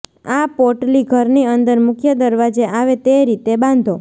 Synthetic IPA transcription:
apoɾʈliɡʱəɾniənd̪əɾmʊkʰjəd̪əɾʋad͡ʒeʔaʋet̪eɾit̪ebãnd̪ʱo

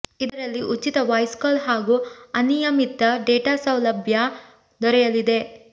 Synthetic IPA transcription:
id̪ɐɾɐlːiʔut͡ʃːit̪ɐʋɐjskɐlɦaːɡuɐnijɐmit̪ːɐɖeːʈaːsɐwlɐbʱja | d̪ɔɾɛjɐlid̪e̞

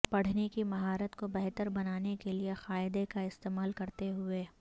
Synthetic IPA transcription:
pɐɽ̤nekimɐɦaːɾət̪kobɛɦt̪əɾbɐnaːnekeliexaːɪd̪ekaɪst̪eːmaːlkɐɾt̪eɦʊeː

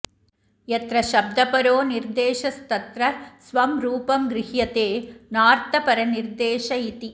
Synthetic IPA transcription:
ɛt̪ɾɐʃɐb̚d̪ɐpɐɾoːnɪɾd̪eːʂɐst̪ɐt̪ɾɐsʋɐmɾuːpɐmɡɾɪhjɐt̪eːnaːɾt̪ɐpɐɾɐnɪɾd̪eːʃɐit̪i

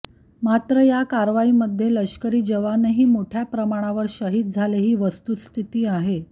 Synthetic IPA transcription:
mat̪ɾəjakaɾʋaiːməd̪ʱːjeləɕkəɾiːd͡ʑəʋaneɦiːmoʈʰjapɾəmaɽ̃aʋəɾɕəɦiːt̪̚d͡zʱaleɦiːʋəst̪uːt̪st̪ʰit̪iːaɦe

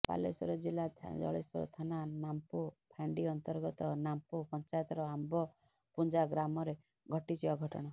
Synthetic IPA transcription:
pa̰lesɔɾɔd͡ʒilat̪ʰd͡ʒɔ̰ɭesɔ̰ɾɔ̰t̪ʰananampopʰaɳɖiɔnt̪ɔɾɡɔt̪ɔnampopɔnt͡ʃajɔt̪ɔɾɔambɔ | pund͡ʒaɡɾamɔɾe | ɡʱɔʈit͡ʃʰiaɡʱɔʈɔ̰ɽ̃ɔ

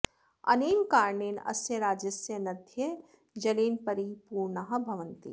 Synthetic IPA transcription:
ɐ̰niːmkaːɾɳeːnɐ̰sjɐɾaːd͡ʒɐsjɐnɐd̪ʱjɐ | d͡ʒɐliːnpɐɾipuːɾɳɐɦɐbʱɐʋənt̪ḭ

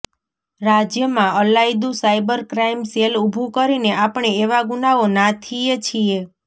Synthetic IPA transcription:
ɾad͡ʒjəmãəlajd̪ũsajbəɾkɾaimselubʱũkəɾineapɳeeʋaɡunaonat̪ʰiet͡ʃʰie

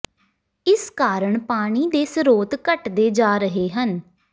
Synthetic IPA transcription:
ɪskaːɾəɳpaːɽ̃iːd̪eːsəɾoːt̪kəʈd̪eːd͡ʒaːɾəɦeːɦən

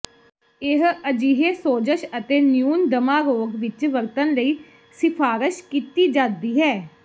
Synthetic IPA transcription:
ɪɦəd͡ʒiːɦeːsoːd͡ʒəʃət̪eːnjuːnd̪əmaːɾoːɡʋɪt͡ʃʋəɾt̪ənləiː | sɪpʰaːɾɪʃkiːt̪iːd͡ʒãːd̪iːɦɛː

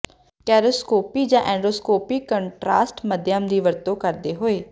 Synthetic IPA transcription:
kɛːɾoskoːpiːd͡ʒãːʔɛ̃ːɳɖoːskoːpiːkːəɳʈɾaːsʈməd̪jaːmd̪iːʋəɾt̪õːkəɾd̪eːɦoːeː

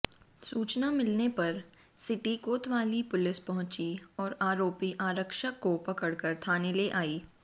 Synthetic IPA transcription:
suːt͡ʃnamɪlnepɐɾ | sɪʈikoːt̪ʋaːlipʊlɪspɐɦʊ̃t͡ʃiɔːɾaːɾoːpiʔaːɾəkʃəkːopɐkəɽkəɾt̪ʰaːneleʔaːiː

